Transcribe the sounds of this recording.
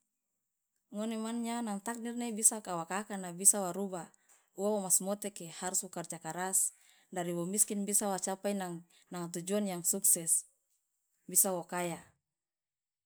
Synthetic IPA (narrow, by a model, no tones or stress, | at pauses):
ŋonemanɲanaŋt̪ak̚nirnebisakawakakanabisawaɾuba | uawomasmɔt̪ekehaɾuswokard͡ʒakaɾas | daɾiwomiskinbisawat͡ʃapajnaŋ | naŋat̪ud͡ʒunjaŋsuksɛs | bisawokaja